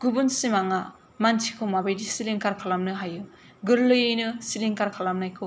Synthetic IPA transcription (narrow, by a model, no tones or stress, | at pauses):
ɡubunsimaŋa | mantʰikʰomabajdisiliŋkaɾkʰalamnɯɦaju | ɡɯɾlɯjɯjnɯsiliŋkaɾkʰalamnajkʰɯ